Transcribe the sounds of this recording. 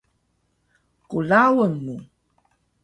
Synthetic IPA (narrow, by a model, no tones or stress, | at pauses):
kulawənmu